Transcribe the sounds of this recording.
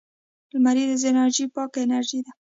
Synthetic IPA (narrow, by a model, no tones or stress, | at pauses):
lmaɾid̪əzɪnaɾʒipɑkenaɾʒid̪a